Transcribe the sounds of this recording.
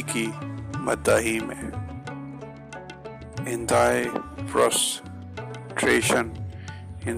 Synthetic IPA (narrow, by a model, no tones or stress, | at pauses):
kimɐd̪ːaːɦimẽ | hɪ̃nd̪aːefɾɔ̰s | ʈʰɾeːʃən | hɪ̃n